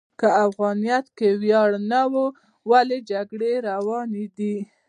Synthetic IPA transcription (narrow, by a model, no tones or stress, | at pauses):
kəafɣɑnijat̪kewjɑɽnawu | waled͡ʒaɡɽeɾawɑned̪i